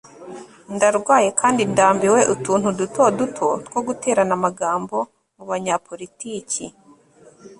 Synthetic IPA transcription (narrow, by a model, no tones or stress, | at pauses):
ndaɾɡwaːje̞kʰaːndindaːmbiwe̞ʔutuːn̥huduto̞dutʰo̞tɡwo̞ɡute̞ːɾanamaɡaːmbo̞ | muβaɲapʰo̞ɾitiːci